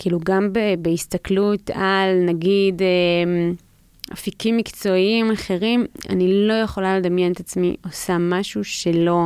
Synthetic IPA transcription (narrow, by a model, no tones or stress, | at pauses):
kiːluɡambebeist̪aklutalnaɡide | afikimːikt͡so̞imaχe̞ʁima̰nilo̞je̞χo̞lale̞d̪amjenet̪at͡smḭʔo̞samaʃuʃe̞lo̞